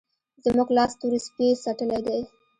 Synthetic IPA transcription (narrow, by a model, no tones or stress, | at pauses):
zəmuɡlɑst̪uɾispesaʈəled̪aj